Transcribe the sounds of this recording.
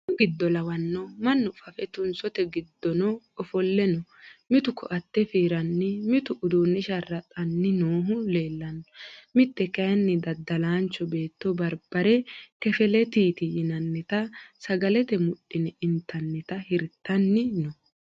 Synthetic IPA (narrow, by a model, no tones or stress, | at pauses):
ɡɪd̪ːɔlɐwɐnːɔmɐnːʊfɐfɛt̪ʊnsɔt̪ɛɡɪd̪ːɔnɔ | ɔfɔlːɛnɔmɪt̪ʊkʰːɔ̰ʔɐt̪ːɛfiːɾɐnːɪmɪt̪ʊʔʊd̪uːnːɪʃɐrːɐt̪ʼɐnːɪnoːɦʊle̞ːlːɐnɔmɪt̪ːɛkɐjɐnːɪd̪ɐd̪ːɐlaːnt͡ʃːɔbeːt̪ːɔbɐɾb̥ɐɾɛkɛfɛlɛt̪iːt̪ɪjɪnɐnːɪt̪ɐsɐɡɐlɛt̪ɛmʊɗɪnɪnt̪ːɐnːɪt̪ɐhɪɾt̪ʰːɐnːɪnɔ